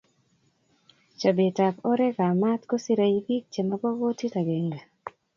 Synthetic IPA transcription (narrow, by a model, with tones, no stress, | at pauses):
t͡ʃa˨be˨ta˨kɔ˦ɾɛ˦ka˨ma˦tko˦si˦ɾa˨i˦bi˦k̚t͡ʃe˨ma˦bɔ˦wo˦ti˦ta˨ɡe˨ŋɡa˨